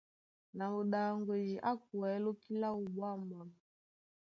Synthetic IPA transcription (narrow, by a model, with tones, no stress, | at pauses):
na˨mo˨ɗa˨ŋɡwe˨d͡ʒi˨ʔa˦k̚u˨ɛ˨˦lo˦ki˦la˦u˨ɓwa˦˨ma˨m˨